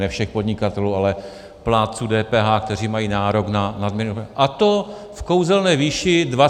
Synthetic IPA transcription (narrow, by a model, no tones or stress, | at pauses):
nɛfʃɛxpod̪ɲɪkat̪ɛluːalɛ | plaːt͡sudɛːpɛːɦaːk̚t̪ɛr̝iːmajiːnaːɾo̞knanadmɪnoʔat̪o | fko̞wzɛlnɛːviːʃɪdva